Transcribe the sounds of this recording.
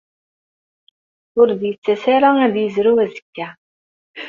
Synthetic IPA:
ʊɾðjət͡sːæsaɾaæðjəzɾuæzə̥kːæ

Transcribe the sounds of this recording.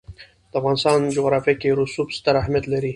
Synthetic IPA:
d̪̥əafɣɑnɪst̪ɑnd͡ʒoɣɾɑfjakeɾusubst̪aɾahmjat̪laɾi

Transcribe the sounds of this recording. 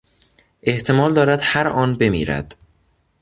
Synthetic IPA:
ʔe̞ht̪ʰe̞mɒːld̪ɒːɾæd̪hæɾʔɒːnbe̞mḭːɾæ̰d̪̥

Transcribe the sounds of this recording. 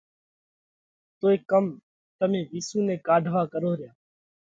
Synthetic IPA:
t̪oːeːkəm | t̪əmẽːʋiːsũːnẽːkaːɖʱʋaːkəɾoːɾɪjaː

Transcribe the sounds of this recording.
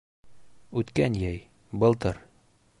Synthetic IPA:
ʉt̪kænjæj | bɤ̆lˠt̪ɤɾ

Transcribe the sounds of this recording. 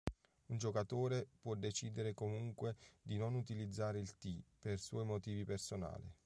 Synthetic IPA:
und͡ʒokat̪oːɾepwɔd̪ːet͡ʃiːd̪eɾekomuŋkwed̪inonut̪ilid̪zːaːɾeilt̪iperswɔjmot̪iːvipersona̰ːlḭ

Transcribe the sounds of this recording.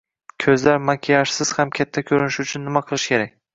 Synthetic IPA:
kʲʰɵzlaɾmakʲʰijaʃsɪz̥hamkʲʰat̪ʰːakʲʰɵɾɪnɪʃʊt͡ʃʰʊnːɪmaqʰɨlˠɪʃkʲʰe̞ɾak̚ʲ

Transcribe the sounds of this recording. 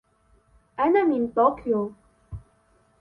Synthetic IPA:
ʔanamint̪okjo

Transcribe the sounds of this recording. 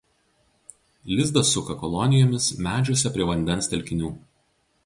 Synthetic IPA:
lʲɪzd̪ɐsʊkɐkɔlˠɔnʲɪjɔːmʲɪsmʲæːd͡ʒʲʊsʲɛpʲɾʲiɛʋɐnʲd̪ʲɛnst̪ʲɛlʲkʲɪnʲuː

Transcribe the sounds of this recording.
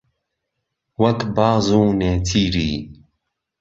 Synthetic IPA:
wɐkbɑːzuːneːt̪ʰiːɾiː

